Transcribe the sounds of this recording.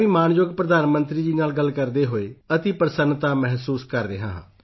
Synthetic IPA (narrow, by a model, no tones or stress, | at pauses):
ĩːmaːnjoɡpɾəd̪aːnmə̃nt̪ɾiːd͡ʒiːnaːlɡəlkəɾd̪eːɦoːeːət̪iːpəɾsənːt̪aːmɛɦsuːskəɾɾeːɦã̰ːɦã̰ː